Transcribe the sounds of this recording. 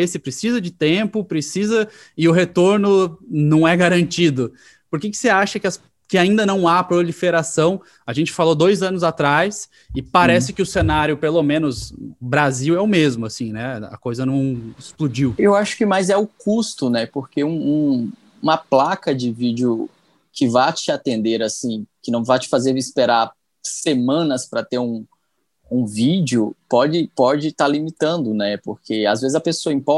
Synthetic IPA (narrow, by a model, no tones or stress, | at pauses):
esɪpɾesizɐd͡ʒɪt̪ẽpʊpɾesizɐ | ɪʊɦet̪oɾnʊnɐ̃w̃ɛɡaɾɐ̃nt͡ʃid̪ʊ | poɾkɪkɪ̥seaʃɐkɪɐs | kɪaĩnd̪ɐnɐ̃w̃apɾolifeɾasɐ̃w̃ | aʒẽnt͡ʃɪ̥falod̪ojzɐ̃nʊzat̪ɾajs | ɪpaɾɛsɪkɪʊsenaɾjʊpelomẽnʊsbɾaziwɛʊmezmʊasĩnɛɐ̰kojzɐnɐ̃w̃ɪsplud͡ʒiwewaʃʊ̥kɪmajzɛʊkust̪ʊnɛpoɾkeũũ | ũmɐplakɐd͡ʒɪvid͡ʒʊ | kɪvat͡ʃɪat̪ẽnd̪eɾasĩkɪnɐ̃w̃vat͡ʃɪ̥fazeɾɪspeɾaɾ | semɐ̃nɐspɾɐt̪eɾũ | ũvid͡ʒjʊpɔd͡ʒɪpɔd͡ʒɪt̪aɾlimit̪ɐ̃nd̪ʊnɛpoɾkeazvezɪzɐpesoɐĩpɔ